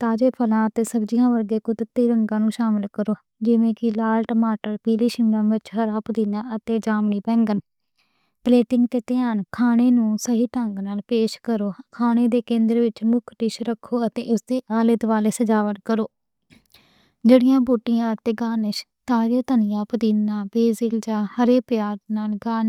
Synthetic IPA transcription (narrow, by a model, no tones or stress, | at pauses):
t̪aːd͡ʒeːpʰəlãːət̪eːsəbd͡ʒɪjãːʋəɾɡeːkʊd̪t̪ːiːɾəŋɡãːnũːʃaːmɪlkəɾoː | d͡ʒɪʋẽːkɪlaːlʈəmaːʈəɾpiːliːʃɪŋɡənʋɪt͡ʃɦəɾaːpd̪ɪnãːət̪eːd͡ʒaːmɳiːpɛ̃ːŋɡən | pleːʈɪŋɡt̪eːt̪ɪjaːnkʰaːneːnũːsəɦiːʈəŋɡnaːlpeːʃkəɾoːkʰaːneːd̪eːkẽːnd̪əɾʋɪt͡ʃmʊkʰʈɪʃɾəkʰːoːət̪ḛ̃ːʔʊsd̪eːʔaːlɪt̪ʋaːleːsəd͡ʒaːʋəʈkəɾoː | d͡ʒeːɽɪjãːbuːʈːɪjãːət̪eːɡaːnɪʃt̪aːd͡ʒet̪ənɪjãːpəd̪iːnãːbeːzɪld͡ʒãːhəɾeːpjaːɡnaːlɡaːn